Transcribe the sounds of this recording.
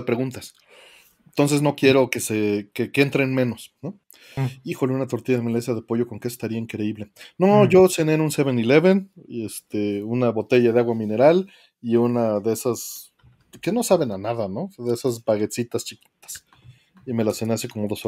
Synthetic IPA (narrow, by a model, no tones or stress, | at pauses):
epɾe̞ɣunt̪as | eent̪o̞ns̬e̞zno̞kje̞ɾo̞kesekekent̪ɾenmẽ̞no̞sno | ixo̞leunat̪o̞ɾt̪iʝaðemelesaðe̞po̞ʝo̞ko̞ŋkeest̪aɾiaiŋkɾe̞iβle̞noʝo̞sene̞enunse̞βe̞nile̞βe̞nest̪eunaβo̞t̪e̞ʝaðeaɣwamĩne̞ɾal | iunaðeesas | ke̞no̞saβe̞nanaðano̞ðeesazbaɣe̞t̪sit̪ast͡ʃikit̪ḁs | ime̞laseneaseko̞mo̞ðo̞so